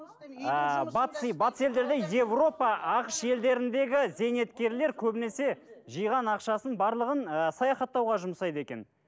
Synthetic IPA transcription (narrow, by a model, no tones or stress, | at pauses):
əbɑt̪əsbɑt̪ə̥se̞ld̪e̞ɾd̪e̞je̞vro̞pɑʔɑqəʃe̞ld̪e̞ɾɪnd̪e̞ɡʲɪze̞ne̞t̪kʲe̞ɾle̞ɾkʲʰɵbɪne̞se̞ʒijʁɑnɑqʃɑsənbɑɾlˠəʁənəsɑjɑχɑt̪ːɑwʁɑʒʊməsɑjd̪əe̞kʲe̞̰n